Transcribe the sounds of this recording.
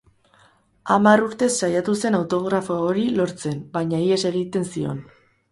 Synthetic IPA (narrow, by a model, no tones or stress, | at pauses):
amaruɾt̪e̞sːajat̪use̞nawt̪o̞ɣɾafoaoɾilo̞ɾt͡se̞mbaɲaie̞se̞ɣit̪e̞nsio̞̰n